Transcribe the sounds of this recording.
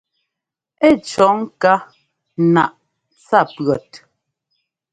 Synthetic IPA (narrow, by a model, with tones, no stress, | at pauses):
ɛ˦˨t͡ʃɔ˨˦ŋ˦ka˦ | na̰˨ʔ | t͡sa˦˨pɰɔ˨t